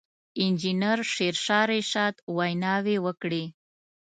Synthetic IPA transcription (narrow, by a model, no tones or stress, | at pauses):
ɪnd͡ʒinəɾʃeɾʃɑɾeʃɑt̪wajnɑwewəkɽi